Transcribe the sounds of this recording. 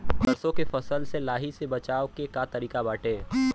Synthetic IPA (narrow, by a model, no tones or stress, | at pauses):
bɐɾsõkefɐsəlselaːɦisebɐt͡ʃaːokekat̪ɐɾiːkabaːʈeː